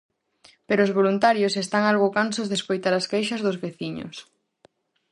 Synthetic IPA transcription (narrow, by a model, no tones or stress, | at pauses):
peɾoːzβolunt̪aɾjosest̪aŋalɣʊkansozðeskojt̪aɾɐskejʃɐzðʊzβeθiɲʊ̰s